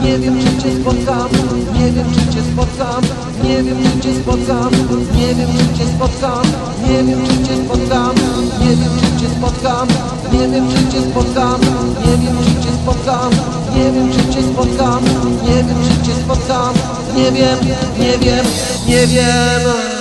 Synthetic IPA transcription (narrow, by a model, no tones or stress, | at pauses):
ɲɛvʲjɛmɨt͡ɕɛspɔt̪samɲɛvʲjɛmʂɨt͡ɕɛspɔt̪sam | ɲɛvʲjɛmt͡ʂɨt͡ɕɛspɔt̪samɲɛvʲjɛmʈ͡ʂɨt͡ɕɛspɔt̪sam | ɲɛvʲjɛmʈ͡ʂɨt͡ɕɛspɔt̪samɲɛvʲjɛmt͡ʂɨt͡ɕɛspɔt̪sam | ɲɛvʲjɛmʈ͡ʂɨt͡ɕɛspɔt̪sam | ɲɛvʲjɛmt͡ʂɨt͡ɕɛspɔt̪sam | ɲɛvʲjɛmt͡ʂɨt͡ɕɛspɔt̪samɲɛvʲjɛmʂɨt͡ɕɛspɔt̪sam | ɲɛvʲjɛmɲɛvʲjɛm | ɲɛvʲjɛm